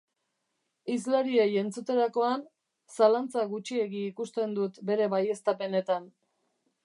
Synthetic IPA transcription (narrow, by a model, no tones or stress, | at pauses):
izlaɾieje̞nt͡sut̪e̞ɾako̞an | salant͡saɣut͡ʃie̞ɣiːkust̪e̞nd̪ut̪be̞ɾe̞βaje̞st̪ape̞ne̞t̪an